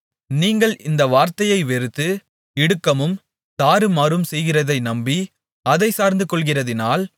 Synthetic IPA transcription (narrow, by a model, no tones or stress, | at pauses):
niːŋɡɐɭʔɪnd̪ɐʋaːɾt̪ɐjɐɪʋɛɾɯt̪ːɯ | ɪɽɯkːɐmɯm | t̪aːɾɯmɐɾɯmsɛjɣɪrɐðɐɪnɐmbi | ɐðɐɪsaːɾnd̪ɯkɔɭɣɪrɐðɪnaːl